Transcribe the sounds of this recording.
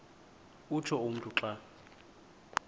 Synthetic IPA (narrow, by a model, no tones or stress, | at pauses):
ut͡ʃʰɔum̩tʰʼuǁa